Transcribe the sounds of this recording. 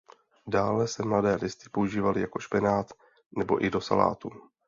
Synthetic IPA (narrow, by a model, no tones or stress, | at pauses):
daːlɛsɛmladɛːlɪst̪ɪ̥po̞uʒiːvalɪjako̞ʃpɪnaːt̪ | nɛbo̞̰ʔɪdo̞sa̰la̰ːt̪u